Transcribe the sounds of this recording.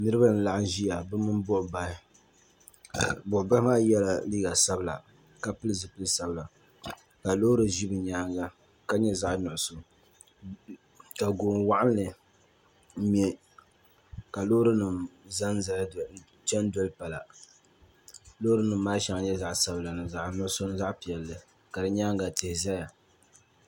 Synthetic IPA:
nɨ˦ɾɨ˦ba˦n̩˦la˨ʔʊ˦n˦ʒi˦ja˨bɨ˦mɨ˦nbʊ˦ʔba˨hɪ˦ | a˨bʊ˨ʔʊ˨ba˦hmaː˦jɛ˦la˨liː˦ɡa˨sa˦bɨ˦la̰˨ | ka˨pɨ˦lɨ˦zɨ˨pɨ˦lɨ˦sa˨bɨ˦la˨ | ka˨lo˦ɾɨ˨ʒi˦bɨ˨ɲaː˦ŋɡa˦ | ka˦ɲɛ˦za˦ʔnʊ˨ʔʊ˨sʊ˨ | ka˨ɡoː˨ŋwa˦ʔa˦n˦lɨ˨˦ | mɛ˦ | ka˨loː˦ɾɨ˦nɨ˨mza˦n˦ | t͡ʃɛ˦n˦dɔ˦lɨ˦pa˨la˨ | lo˦hɾɨ˦nɨ˨m̩ː˦aː˦ʃa˨˦ŋa˨ɲɛ˦za˦ʔsa˨bla˨nɨ˨za˨ʔnʊ˦ʊ˦so˦n˦za˦ʔpi˨ɛ˨lːɨ˨ | ka˨dɨ˨ɲaː˦ŋɡa˨tɪ˨hɪ˨za˦ja˨

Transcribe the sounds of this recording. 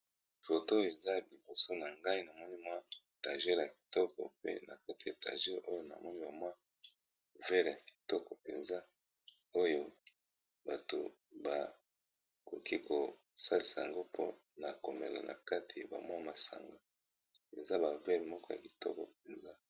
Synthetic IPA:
fo˨to˦jo˨e˨za˦˨li˨bo˨so˦na˨ŋɡa˦i˦na˨mɔ˦ni˦mwa˦ | ta˨ʒɛ˦ʁja˨ki̥˨tɔ˦kɔ̰˨pḛ˦na̰˨ka˦ti˨ja˨ta̰˨ʒɛ˦ʁo˦jo˦na̰˨mɔ˦ni˦ba˨mwa˦ | vɛ˦ʁja˨ki̥˨tɔ˦kɔ˨pe˨nza˦ | o˦jo˦ | ba˨to̰˨ | ba˨ | ko˨ki˦ko˨ | sa˦li˨sa˨ja˨ŋɡo˦pʰo̰˦ | na˨ko˨me˨la̰˨nʔa̰˨ka˦tʰi˨ba̰˨mwa˦ma˨sa̰˨ŋɡa˦ | e˨nza˦ba˨vɛ˦ʁmɔ˦kɔ˦ja̰˨ki̥˨tɔ̰˦kɔ̰˨p̚e˨nza˦

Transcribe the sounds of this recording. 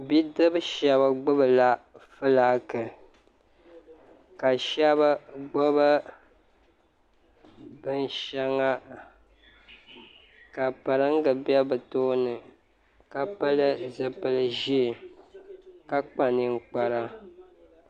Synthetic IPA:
bi˦dɨ˦bɨ˦ʃɛ˨βa˨ɡ͡bʊ˦bɨ˨la˦fɨ˦laː˦kɨ˨ | ka˨ʃɛ˦βa˦ɡ͡bʊ˦βa˦ | bɨ˦n˦ʃɛ˦ŋa˦ | ka˨pa˨ɾɨ˦ŋ̩˦ɡɨ˨bjɛ˦bɨ˨to˦nɨ˨ | ka˨pɨ˦lɨ˦zɨ˨pɨ˨lɨ˨ʒi˦˨ | ka˦k͡pa˨ni˨ŋ͡m̩˨k͡pa˨ɾa˦

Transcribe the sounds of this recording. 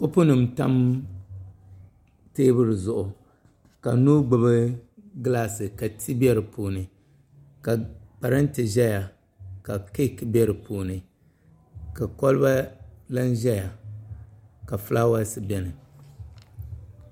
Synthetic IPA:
kʊ˦pʊ˦nɨ˨mta˦m | teː˦bɨ˦ɾɨ˨zʊ˨ʔʊ˨ | ka˨nuː˦ɡ͡bɨ˨bɨ˦ɡɨ˦laː˦sɨ˨ka˨tʰi˦bɛ˦ɾɨ˨pʰoː˨nɨ˨ | ka˨pa˨ɾɨ˦n˦tɨ˨ʒɛ˦ja˨ | ka˨ki˦˨kbɛ˦ɾɨ˨pʰoː˨nɨ˨ | ka˨kɔ˦lɨ˦ba˦la˦nʒɛ˦ja˨ | ka˨fɨ˦la˦wa˦sɨ˦bɛ˦nɨ˨

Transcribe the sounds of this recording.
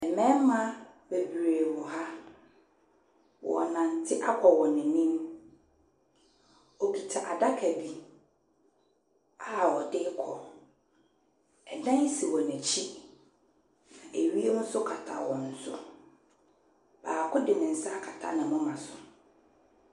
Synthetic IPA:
ɛ˨mɛ̃˦mã˦ | be˨bɾe˨wɔ˨ɦa˦ | wɔ̰˨ɔ˨nã˨n̩˨tʰɪ˦ʔa˦kʷʰɔ˨wɔ̃˨nɪ̃˨nĩ˦m | ɔ˨bi˨tʰa˨ʔa˨da˦kʰæ˨bi˦ | a˦˨wɔ˨dɪ˦kʰɔ˨ | ɛ˨dã˦n˦si˨wɔ˨næ̃˨t͡ɕʰi˦ | nã˨ʔe˨ɥi˦e˦n̩˦sʊ˦kʰa˨tʰa̰˨wɔ̃˨n̩˨sʊ˦ | b̥aː˨kʰʊ˦dɪ˨nɪ̃˨n̩˨sa˦kʰa˨tʰa̰˦nɪ̃˨mʊ̃˦mã˨sʊ˨

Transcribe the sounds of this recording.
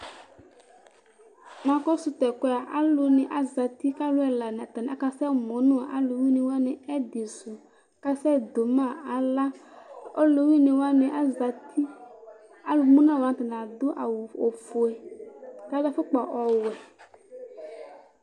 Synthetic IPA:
mã˨kɔ˦su˨t̪ɛ˨kɔ˦˨a˨ʔa˦lo˨nẽ˨ʔa˨za˨t̪i˦ka˦lo˦ɛ˨la˨n˨t̪a˨n˨a˨˦ka˨sɛ˦˨mõ˨˦nũ˦a˨ʔa˦lo˨wi˦nẽ˨wa˦nẽ˨ɛ˦d̪e˨su˨˦ | ka˦sɛ˦˨d̪o˨mã˦˨a˨la˦o˦lo˨wi˦nẽ˨wa˦ne˨ʔa˦zti˦ | a˦lo˨mũ˦nã˦˨wa˨t̪a˨n˨a˨d̪ʊ˦ʔa̰˨wu˨o˨fu˨ɛ˨t̪a˨˦la˦fo˦k͡pɔ˨ʔɔ˨wɛ˨

